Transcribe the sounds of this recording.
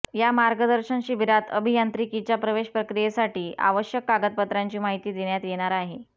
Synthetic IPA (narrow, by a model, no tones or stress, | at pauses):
jamaɾɡəd̪əɾɕənɕibʱiɾat̪ʰə̰bʱijant̪ɾikit͡ɕjapɾəʋeɕpɾəkɾijesaʈiːa̰ʋəɕjəkːaɡət̪̚pət̪ɾaɲt͡ɕiːmaɦit̪iːd̪eɽjat̪jeɽ̃aɾaɦe